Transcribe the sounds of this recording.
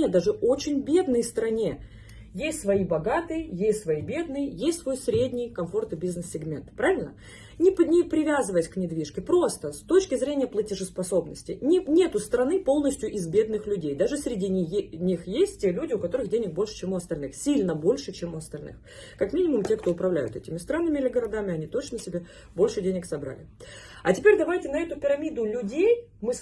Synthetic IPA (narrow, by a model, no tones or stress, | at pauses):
ed̪aʐɨo̞t͡ɕɪnʲbʲe̞d̪nəjst̪ɾɐnʲe̞ | jesʲtʲsvɐibɐɡat̪ɨjəjesʲtʲsvɐibʲe̞d̪nɨjəjesʲtʲsvo̞jsɾʲedʲnʲɪjkɐmfo̞rt̪ɨbʲiznɨsːʲɪɡmʲe̞̰nt̪pɾavʲɪlʲnə̰ | nʲɪpnʲɪpɾʲɪvʲazɨvəjɪsʲknʲɪd̪vʲiʂkʲɪpɾo̞st̪əst̪o̞t͡ɕkʲɪzɾʲenʲɪjəplˠətʲɪʐɨspɐso̞bnəsʲtʲɪnʲɪnʲe̞t̪ʊst̪ɾɐnɨpo̞lˠnəsʲtʲjʊʔɪzbʲe̞d̪nɨxlʲʉdʲejd̪aʐɨsʲɾʲɪdʲinʲixjesʲt̚ʲtʲelʲudʲɪʊkɐt̪o̞ɾɨxdʲenʲɪk̚bo̞lʲʂɨ̥t͡ɕe̞mʊɐst̪ɐlʲnɨxsʲilʲnəbo̞lʲʂɨt͡ɕemʊɐst̪ɐlʲnɨ̰x | kɐkmʲinʲɪmʊmtʲe̞kt̪o̞ʊpɾɐvlʲæ̰jʊ̰t̪ɛtʲɪmʲɪst̪ɾanːɨmʲɪɪlʲɪɡəɾɐd̪amʲɪɐnʲit̪o̞t͡ɕnəsʲɪbʲe | bo̞lʲʂɨdʲenʲɪksɐbɾa̰lʲɪ | ɐ̰tʲɪpʲeɾʲd̪ɐvajtʲɪnɐɛt̪ʊpʲɪɾɐmʲid̪ʊlʲʊdʲej | mɨ